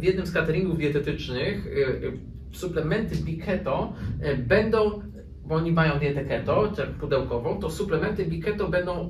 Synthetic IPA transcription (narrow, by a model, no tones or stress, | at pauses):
vʲjɛd̪nɘmskat̪ɛɾʲiŋɡuvd̪jɛt̪ɛt̪ɘt͡ʂnɘx | suplɛmɛnt̪ɘbʲikʰɛt̪ɔbɛnd̪ɔ̃w̃ | bɔɔɲimajɔ̃w̃d̪ʲjɛt̪ɛkɛt̪ɔt̪akpud̪ɛwkɔvɔ̃w̃t̪ɔsuplɛmɛnt̪ɘbʲikɛt̪ɔbɛnd̪ɔ̃w̃